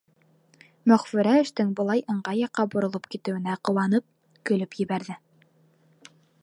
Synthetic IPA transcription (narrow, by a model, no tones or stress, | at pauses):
mɵ̆χfɘ̆ɾæɘ̆ʃt̪ɘŋbŏlˠɑjʔɤ̆ɴɢɑjɑqːɑbŏɾŏlˠɤpkit̪ɘ̆wɘ̆næqɤ̆wɑnɤp̚ | kɵ̆lɵpjɘ̆βæɾðɘ